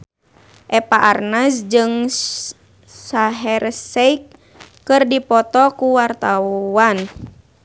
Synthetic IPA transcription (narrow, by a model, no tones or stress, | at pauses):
ʔɛpaʔarnasd͡ʒɨŋ | saɦɛɾsɛik | kːɨrdipɔt̪ɔkuwart̪aan